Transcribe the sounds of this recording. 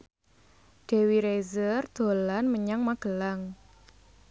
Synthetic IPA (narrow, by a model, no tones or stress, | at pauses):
ɖ̥e̤wiɾezərd̪̥o̤lanməɲaŋmaɡ̥ə̤laŋ